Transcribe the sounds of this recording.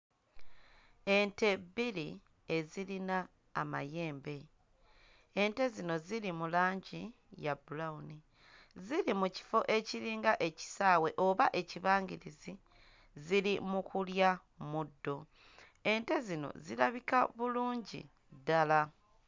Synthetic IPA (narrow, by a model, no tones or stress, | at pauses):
e̞nte̞bili | e̞zilinaː | ma̰je̞ːmbe̞ | ente̞zino̞zilimulaːɲɟi | jabulauni | zilimuci̥fo̞ʔe̞ciɾiːŋɡaʔe̞ci̥saːwe̞ʔo̞βaʔe̞ciβaːŋɡiɾizi | zilimukulja | mudːo̞ | e̞nte̞zino̞̰zilaβika̰βuluːɲɟḭ | dala